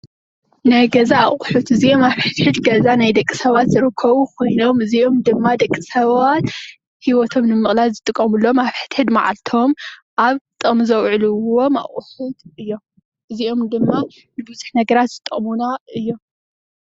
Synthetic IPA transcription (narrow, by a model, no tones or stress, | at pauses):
naɡɐzaːχʼʊħut̪ɨziʔo̞maβħɨt̪ħɨd̪ɡɐzanajd̪ɐkʼːisɐβat̪zɨɾɨkʰːɐβukʰo̞jno̞mɨzio̞md̪ɨmːad̪ɐkʼːisɐβat̪ | hiwɔt̪ʰo̞mnɨmɨχʼlalzɨt̪ʼɨkʼːɐmulːomaβħɨ̥t̪ħɨd̪ma̰ʕa̰lt̪ʰo̞mʔaβt̪ʼomzɐwʕlɨwo̞ma̰χʼʊħʊt̪ɨjːo̞m | ʔɨzio̞md̪ɨmːa | nɨbɨzuħnɐɡɐɾat̪z̥ɨt̪ʼɨmunaɨjːo̞m